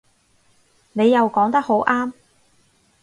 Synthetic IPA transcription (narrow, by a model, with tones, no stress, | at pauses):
ne˨˧jːɐ˨wkɔː˨˥ŋt̪ɐ˥k̚ho˨˥wʔaː˥m